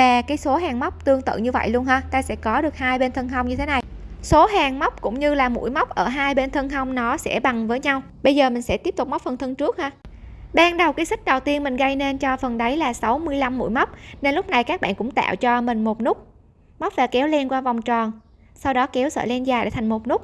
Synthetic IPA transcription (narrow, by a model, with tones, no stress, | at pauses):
vaː˨˩kaː˨˦jso˨˦ɦaː˨˩ŋma˦˥wk͡p̚t̪ɨ˧əŋt̪ɨ̰˧˨ɲɨ˧və̰˧˨jlu˧ənɦaː˧t̪aː˧sɛ̰˧˥kɔ˨˦ɗɨ˨˩ək̚haː˧jɓe˧nt̪ʰə˧nɦə˧wŋ͡mɲɨ˧e˨˦na˨˩jso˨˦ɦaː˨˩ŋma˦˥k͡p̚kʊ̰˧˥ŋ͡mɲɨ˧laː˨˩mṵ˧˥əjma˦˥k͡p̚ʔəː˧˩ɦaː˧jɓe˧nt̪ʰə˧ŋə˧wŋ͡mnɔ˨˦sɛ̰˧˥˩ɓa˨˩ŋvəː˨˦jɲa˧w | ɓə˧jzəː˨˩mï̟˨˩sɛ̰˧˥t̪i˦˥əp̚t̪ʊ˨˩k͡p̚ma˦˥k͡p̚fə˨˩nt̪ʰə˧ŋt͡ɕɨ˦˥ək̚haː˧ɓaː˧ŋɗə˨˩wkaː˨˦jsï˥k̟̚ɗə˨˩wt̪i˧ənmï˨˩ŋ̟ɣə˧jne˧nt͡ɕɔ˧fə˨˩nɗə˨˦jlaː˨˩sa˨˦wmɨ˧əjla˧mːṵ˧˥jma˦˥wk͡p̚ne˧nlʊ˦˥k͡p̚na˨˩jkaː˦˥k̚ɓa̰ː˧˨nkʊ̰˧˥ŋ͡mt̪a̰ː˧˨wt͡ɕɔ˧mï˨˩ŋ̟mo˨˩t̚nʊ˦˥k͡p̚ | ma˦˥k͡p̚vaː˧˩kɛ˨˦wlɛ˧nkwaː˧va˨˩wŋ͡mt͡ɕɔ˨˩n | sa˧wɗɔ˨˦kɛ˨˦wsə̰ː˧˩lɛ˧nzaː˨˩jɗḛ˧˩t̪ʰa˨˩ŋmo˨˩t̚nʊ˦˥k͡p̚